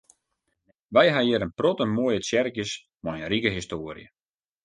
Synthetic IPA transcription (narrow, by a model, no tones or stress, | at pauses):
ʋɛjɦajɪɾənprotəmoːjəsjɛrkjəs | mɔjənrikəɦistoːrj̰ə̰